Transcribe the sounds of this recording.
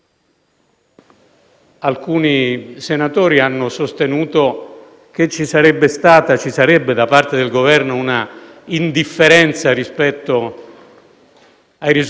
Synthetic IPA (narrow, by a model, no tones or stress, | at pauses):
alkuːnisenat̪oːɾianːosost̪enuːt̪o | k̟et͡ʃːisaɾɛbːest̪aːt̪at͡ʃisaɾɛbːed̪apart̪ed̪elɡovɛrnouna | ind̪ifːeɾɛnt̪sarispɛt̪ːo | ajɾiz